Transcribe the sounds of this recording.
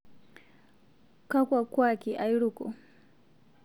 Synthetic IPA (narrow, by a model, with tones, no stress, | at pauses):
ka˦kwa˨kwa˦ki˨ʔa˨iɺu˨kɔ˨